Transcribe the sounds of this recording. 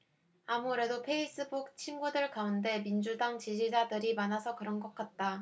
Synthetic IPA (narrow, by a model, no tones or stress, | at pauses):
amuɾe̞dopʰe̞is͈ɯbuk̚t͡ɕʰimɡudɯɭkaunde̞mind͡ʑudaŋt͡ɕid͡ʑid͡ʑadɯɾimanasʰʌkɯɾʌnɡʌk̚k͈at̚t͈a